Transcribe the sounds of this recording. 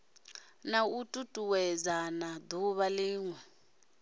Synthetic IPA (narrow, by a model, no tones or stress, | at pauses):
nautʼutʼuwɛzanad̪uβaliːŋwɛ